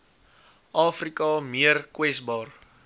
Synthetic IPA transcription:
ʔɑːfrikɑmiərkwɛsbɑːr

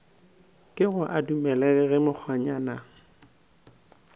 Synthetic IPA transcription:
kʼɪɣʊʔadumɛlɛkɛɣɪmʊk͡xʰɔɲana

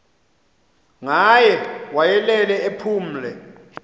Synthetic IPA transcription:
ŋajɛwajɛlɛlɛepʰuːm̩lɛ

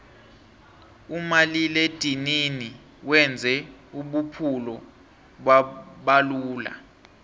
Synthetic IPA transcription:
umaliled̥ʱinini | wɛnd͡zʱɛuɓupʰulɔ | ɓaɓaluːla̰

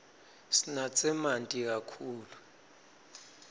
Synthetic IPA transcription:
sinat͡sʼɛmantʼik̬akʰuːlu

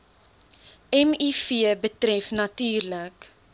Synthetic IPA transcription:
ɛmifiəbətrɛfnɐtyːrlək

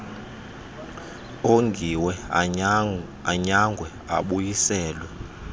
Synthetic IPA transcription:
oŋɡʱiwɛ | aɲaŋɡʱwɛ | a̰ɓujisɛːlwɛ

